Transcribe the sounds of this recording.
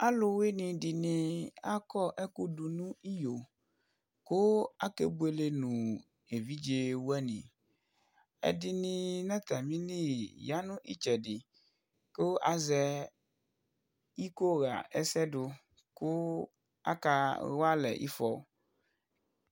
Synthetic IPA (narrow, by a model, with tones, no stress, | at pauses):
a˦lo˨we˦nĩ˨ɖi˨nĩ˨a˦kɔ˦ʔɛ˦ku˦du˨nũ˦i˦jo˨ | ko˦a˦kḛ˦bu˦e˨le˦nũ˨ | e˨vi˦d͡ʒe˦wu˦ɛ˦nḭ̃˨ | ɛ̰˨di˨nĩ˦˨nã˦t̪a˨mĩ˦li˦ja˦nũ˦ʔi˦t͡ʃɛ˨ɖɪ˨ | ko˦ʔa˨zɛ˦ | i˦ko˦ɣa̰˨ɛ˦sɛ˦ɖʊ˨ | ko˦ | a̰˦ka˨wa˦lɛ̰˨ʔḭ˦fɔ˨